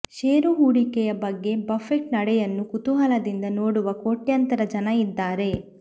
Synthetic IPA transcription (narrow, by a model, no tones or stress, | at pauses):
ʃeːɾuɦuːɽikɛjɐbɐɡːe̞bɐfʰekʈnɐɽɛjɐnːukut̪uɦɐlɐd̪ind̪ɐnoːɽuʋɐkoːʈjɐnt̪ɐɾɐd͡ʒɐnɐid̪ːaːɾe̞